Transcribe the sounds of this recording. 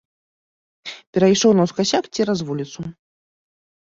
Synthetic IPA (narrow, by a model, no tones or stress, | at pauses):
pʲɛɾɐjʂɔwnɐwskaɕʲakt͡sʲiɾazvulʲit̪su